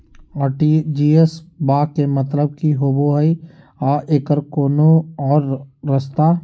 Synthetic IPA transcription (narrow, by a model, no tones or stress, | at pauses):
aʈid͡ʒiːesbaːkemɐt̪ləb̚kiɦoːboɦəi | aːʔeːkəɾkoːnoɔːɾːəst̪aː